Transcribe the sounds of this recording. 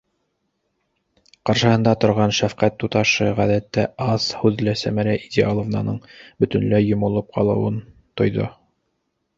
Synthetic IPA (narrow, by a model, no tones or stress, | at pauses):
qɑɾʃɤ̆hɤ̆nd̪ɑt̪ŏɾʁɑnʃæfqæt̪ːut̪ɑʃɤʁæðæt̪ːæʔɑshʉðlæsæmæɾæʔid̪ʲiɑlˠŏvnɑ̰nɤɴbɵ̆t̪ɵ̆nlæjːŏmŏlˠɤp̚qʰɑlˠɤ̆wɤn | t̪ŏjðo̰